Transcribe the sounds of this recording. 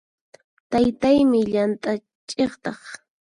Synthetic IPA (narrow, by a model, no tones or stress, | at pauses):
t̪ajt̪ajmɪʎant̪ʼa | t͡ʃʼeχt̪ɑχ